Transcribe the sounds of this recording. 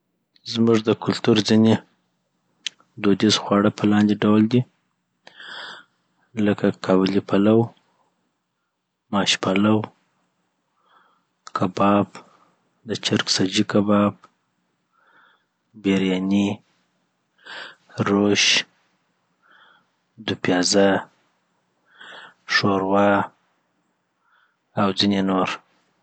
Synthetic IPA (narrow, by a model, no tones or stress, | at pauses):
zmʊʐd̪əkʊlt̪uɾzine | d̪od̪izxwɑɽəpʰəlɑnd̪eɖawld̪i | ləkakʰɑbɪlipʰalaw | mɑʃpalaw | kʰabɑb | d̪ət͡ʃaɾksad͡ʒikabɑb̚ | beɾjɑni | ɾoʃ | d̪ʊpjɑza | ʂoɾwɑ | awd͡zinenoɾ